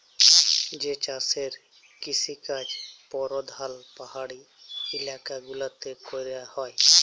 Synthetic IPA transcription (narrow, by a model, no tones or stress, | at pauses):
d͡ʒeːt͡ʃaːseɾ | kɪsikad͡ʒpɔːɾod̪ʱalpəɦaːɽi | ɪlaːkaɡʊlat̪epʰojɾjahoːj